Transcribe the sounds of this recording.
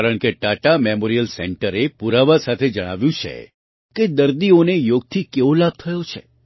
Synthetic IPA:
kaɾəɳkeʈaʈamemoɾijəlsɛ̰ɳʈəɾepuɾaʋasat̪ʰed͡ʒəɽ̃a̰ʋjũt͡ʃʰḛ | ked̪əɾd̪ionejoɡ̚t̪ʰikeʋõlab̚t̪ʰəjot͡ʃʰḛ

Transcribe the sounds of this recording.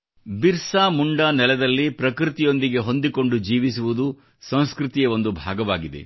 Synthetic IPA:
biɾsaːmuɳɖaːnɛlɛd̪ɐlːipɾɐkɾit̪ijo̞nd̪iɡe̞ɦo̞nd̪iko̞ɳɖud͡ʒiːʋisuʋud̪u | sɐ̃w̃skɾut̪ijɐo̞nd̪ubʱa̰ːɡɐʋaːɡid̪ḛ

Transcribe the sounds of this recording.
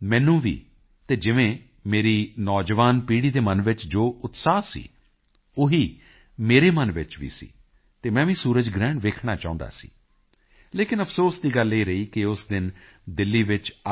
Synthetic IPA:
mɛ̃ːnũːʋḭː | t̪eːd͡ʒɪʋẽː | meːɾiːnɔːd͡ʒʋaːnpiːɽiːd̪eːmənʋɪt͡ʃd͡ʒoːʊt̪saːsḭː | oɦiː | meːɾeːmənʋɪt͡ʃʋḭːsḭː | t̪eːmɛ̃ːʋĩːsuːɾəd͡ʒɡɾɛ̃ːɳɖʋeːkʰɳaːt͡ʃaːʊ̃nd̪a̰ːsḭː | leːkɪnəpʰsoːsd̪iːɡəlːeiːɾəiːkɪʊsd̪ɪn | d̪ɪlːiːʋɪt͡ʃ

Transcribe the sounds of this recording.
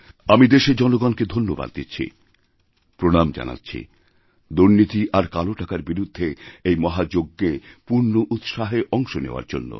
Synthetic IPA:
amid̪eʃed͡ʑɔnoɡanked̪ʱonːoba̰d̪̚d̪itːɕʰḭ | pɾoɽamd͡ʑa̰na̰tːɕʰḭ | d̪uɾnit̪iʔaɾkaloʈakaɾbiɾud̪ʱːeejmɔɦad͡ʑoɡːepuɾnoʔut̪ʃaɦeʔɔŋʃonḛoa̰ɾd͡ʑo̰nːo̰

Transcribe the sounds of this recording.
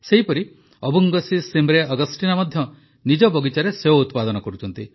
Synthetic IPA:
seɦipɔɾi | ɔbuŋɡɔsisemɾeɔɡɔsʈinamɔd̪ʱjɔ | nid͡ʒɔbɔɡit͡ʃaɾeseɦout̪pad̪ɔnɔkɔɾut͡ʃʰɔnt̪i

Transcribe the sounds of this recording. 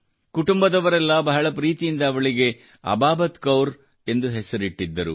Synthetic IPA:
kuʈumbɐd̪ɐʋɐɾɛlːɐbɐɦɐɭɐpɾiːt̪ijind̪ɐːʋɐɭiɡe̞ | ɐ̰baːbɐt̪kɐwɾ | e̞nd̪uɦɛsɐɾiʈːid̪ːɐɾu

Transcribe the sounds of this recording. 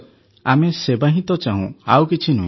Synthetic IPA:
amesebaɦĩt̪ɔt͡ʃaɦṵ̃awkit͡ʃʰinṵ̃

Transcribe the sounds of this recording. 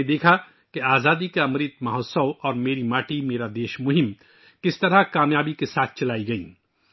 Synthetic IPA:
d̪eːkʰa | keaːzaːd̪ikaɐmɾiːt̪mɐɦɔːt̪səwɔːɾmeːɾimaːʈimeːɾad̪eːʃmʊɦɪm | kɪst̪ɐɾakaːmjaːbikesaːt̪̚ʰt͡ʃɐlaːiɡɐḭː

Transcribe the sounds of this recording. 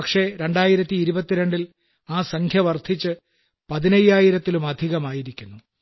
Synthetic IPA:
ɐkʂe̞ɾe̞ɳɖaːjiɾɐt̪ːiːɾubɐt̪ːiɾe̞ɳɖil | aːsɐŋkʰjɐʋɐrd̪ʱit͡ɕːɨ | pɐðinɐjːaːjiɾɐt̪ːilumɐd̪ʱiɣɐmaːjiɾikʲːunːu

